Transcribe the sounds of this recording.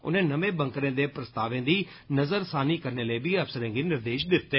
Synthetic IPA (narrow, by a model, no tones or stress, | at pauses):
ʊ̰nẽːnəʋẽːbə̃ŋkɾẽːd̪eːpɾəst̪aːʋẽːd̪iː | nəzəɾsaːniːkəɾneːləːbʱiːəpsəɾẽːɡiːnɪɾd̪eːʃd̪ɪt̪ːeː